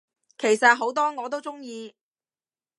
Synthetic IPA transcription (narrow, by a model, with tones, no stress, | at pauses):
kʰe˨˩jsɐ˨t̚ɦo˨˥wt̪ɔː˥ŋɔː˨˧t̪̬o˥wt͡sʊ˥ŋjiː˧